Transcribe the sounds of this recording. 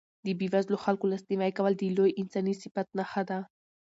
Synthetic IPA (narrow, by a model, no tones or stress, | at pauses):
d̪ibivazloxalkulast̪imajkaβald̪ilojʔinsanisipat̪̚naxad̪a